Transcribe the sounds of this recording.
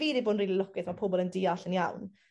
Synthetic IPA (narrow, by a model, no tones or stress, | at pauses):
viːdiboːdnriːlˠilˠɔkɪθmapʰoːbɔlˠəndiːaɬənjawn